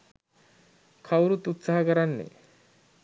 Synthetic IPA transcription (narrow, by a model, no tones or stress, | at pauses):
kʰawɾut̪ut̪saɦakʌɾanːḛ